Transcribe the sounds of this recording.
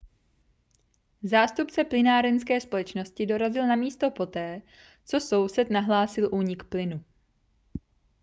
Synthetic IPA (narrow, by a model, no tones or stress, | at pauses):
zaːst̪upt͡sɛplɪnaːɾɛnskɛːspo̞lɛt͡ʃno̞scɪdo̞ɾazɪlnamiːst̪o̞po̞t̪ɛː | t͡so̞so̞wsɛt̪naɦlaːsɪlʔuːɲɪkplɪnu